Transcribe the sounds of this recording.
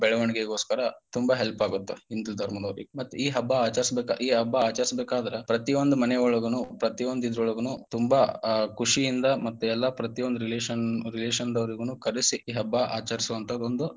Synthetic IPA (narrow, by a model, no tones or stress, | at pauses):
bɛɭɐʋɐɳiɡeɡo̞ːskɐɾɐt̪umbɐɦelpaːɡut̪ːeind̪ulud̪ʱɐɾmɐd̪ɐʋɾimɐt̪ːuiːɦɐbːɐaːt͡ʃɐɾisbeːka̰iːɦɐbːɐaːt͡ʃɐɾisbeːkaːd̪ɐɾepɾɐt̪iond̪umɐnɛɔɭɐɡɐnupɾɐt̪iʋond̪id̪ɐɾɔɭɐɡɐnut̪umbɐkuʂijind̪ɐmɐt̪ːuɛlːɐpɾɐt̪iond̪uɾileːʃɐnɾileːʃɐnd̪ɐʋɐɾiɡunuːkɐɾisiiːɦɐbːɐʔa̰ːt͡ʃɐɾisuʋɐnt̪ʰɐd̪ond̪u